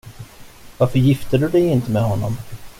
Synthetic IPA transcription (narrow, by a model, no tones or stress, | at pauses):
vaɾfœɾjɪft̪əd̪ɵd̪ɛjɪnt̪əmɛɦɔnːɔm